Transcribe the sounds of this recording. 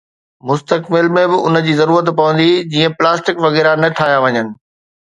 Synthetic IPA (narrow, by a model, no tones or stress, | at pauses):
mʊst̪əkmɪlmẽbɪʔʊnəd͡ʑiːzɐɾuːɾət̪pɐʋə̃nd̪id͡ʑiːə̃plaːsʈɪkʋɐɣɛːɾanɐʈʰaːɦjaʋɐɲənɪ̆